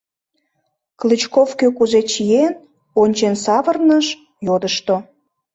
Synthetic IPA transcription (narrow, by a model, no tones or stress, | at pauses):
klɨt͡ɕkovkøkuzet͡ɕijen | onʲt͡ɕensɑβərnəʃ | jod̪əʃt̪o